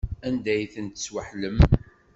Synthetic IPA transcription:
ænd̪æjθənt̪ə̥swəħləm

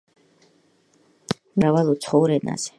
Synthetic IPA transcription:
mɾavalˠut̪sʰχɔwɾɛna̰z̥ɛ̥

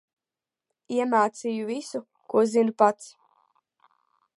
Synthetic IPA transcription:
iɛmaːt̪sijuvisu | kuɔzinupat̪s

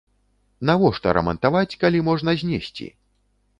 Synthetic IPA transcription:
navɔʂt̪ɔ̰ɾɐ̰mɐ̰nt̪avat͡sʲkalʲimɔʐnɐzʲnʲesʲt͡sʲḭ

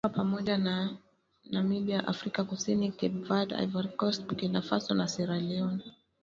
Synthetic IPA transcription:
apamɔʄana | namiɓiaʔa̰fɾikakusinikɛbvada̰vaɾikɔst̚bukinafasɔnasɛɾalɛɔn

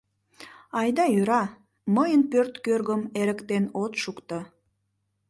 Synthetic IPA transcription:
ɑjd̪ɑjøɾɑ | məjənpørt̪kørɣəmeɾəkt̪enot̪ʃukt̪ə

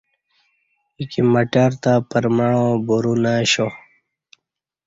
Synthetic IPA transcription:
ikimɐʈaːɾt̪apɐɾmaɽõbuɾunaɕo

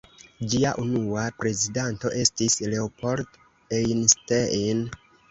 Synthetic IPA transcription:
d͡ʒiaʔunuapɾe̞zidanto̞ʔe̞stisle̞opo̞ɾt | ejnstein

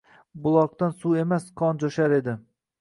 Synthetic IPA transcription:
bʊlˠɒq̚t̪ansue̞masqʰɒnd͡ʒoʃaɾe̞d̪ɪ

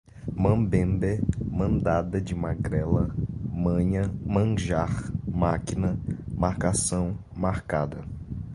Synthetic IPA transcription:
mɐ̃bẽmbemɐ̃nd̪ad̪ɐd͡ʒɪmaɡɾɛlɐmɐ̃ɲɐmɐ̃ʒaχmakinɐmaɾkasɐ̃w̃ | maɾkad̪ɐ

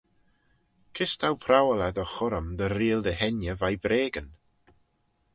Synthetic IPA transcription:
kʰɪstʰawpʰrawɛlˠaðɔχʊɾɔmdəɾiːlˠdəhɛnjəvajbɾeːɡən

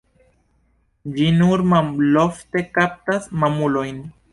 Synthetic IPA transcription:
d͡ʒinuɾmamlofte̞kap̚tasmamulo̞jn

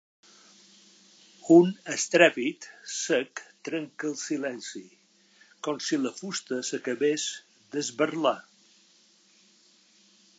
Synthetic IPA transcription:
unəst̪ɾɛpit̪səkt̪ɾəŋkəlˠsilɛnsi | kɔmsiləfust̪əsəkəβes | d̪əzβərla

